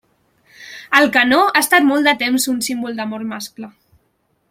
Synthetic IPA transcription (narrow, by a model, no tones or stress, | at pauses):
əlˠkənoast̪at̪mɔlˠt̪d̪ət̪emzunsimbulˠd̪əmormasklə